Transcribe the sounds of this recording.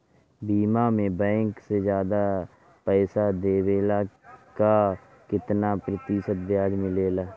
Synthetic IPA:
biːmaːmẽːbɛ̃ːŋksed͡ʒjaːd̪aː | pɛːsaːd̪eːʋeːlaːkaː | kɪt̪naːpɾət̪ɪʃət̪d̪ɪjaːd͡ʒmɪleːlaː

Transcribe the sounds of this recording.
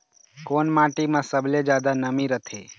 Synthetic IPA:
koːnmãːʈimãsəbled͡ʒjaːd̪anəmiɾət̪ʰḛ

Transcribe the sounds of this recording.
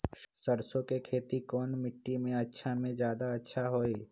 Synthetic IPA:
səɾsõkekʰeːt̪ikɔːnmɪʈːimẽɐtːʃʰamẽd͡ʒjaːd̪aɐtːʃʰaɦoːeː

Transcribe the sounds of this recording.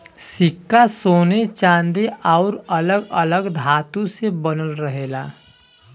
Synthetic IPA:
sɪkːasoːnet͡ʃãːnd̪eʔaʊɾələɡələɡd̪ʱaːt̪ũsebənəlɾəɦeːla̰ː

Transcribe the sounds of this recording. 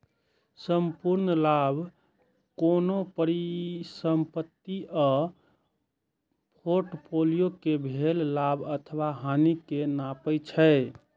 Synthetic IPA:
səmpuɾnlabʱ | konopəɾisəmpət̪ːiʔɔ | pʰoɾʈpʰolijokebʱellabʱət̪ʰəwaɦanikenapəjt͡ʃʰə

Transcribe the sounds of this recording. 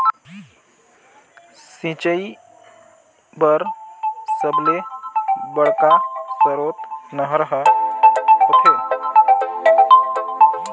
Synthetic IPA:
sĩt͡ɕəi | bəɾsəble | bəɽkasəɾot̪nəɦɾɦə | kokʰe

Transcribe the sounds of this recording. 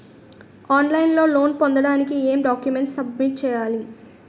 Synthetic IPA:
aːnlɐjnlo̞ːlo̞ːnpond̪ɐɽaːnikieːmɖaːkjume̞ɳʈsɐbmiʈ̚t͡ʃɛːjaːli

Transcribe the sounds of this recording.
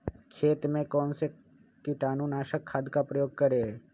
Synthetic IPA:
kʰeːt̪mẽkɔːnse | kiʈaːnunaːʃəkʰːaːd̪kapɾəjoːɡ̚kəɾe

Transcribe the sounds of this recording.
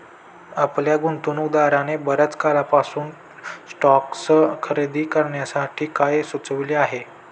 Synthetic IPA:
apljaɡunt̪unud̪aɾanebəɾət͡skalapasuːn | sʈɔkskʰəɾed̪iːkəɾɳjasaʈʰiːkajsut͡səʋiliaɦe

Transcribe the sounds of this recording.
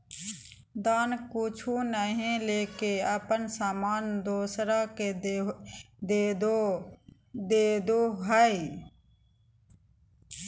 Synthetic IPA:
d̪aːnkʊt͡ʃʰuːnəɦẽleːkeəpənsaːmaːnd̪oːsɾaːke | d̪eː | d̪eːd̪oːɦae

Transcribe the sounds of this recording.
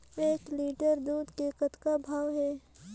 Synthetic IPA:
eːkliːɖəɾd̪uːd̪kekət̪kabʱaːʋɦɛː

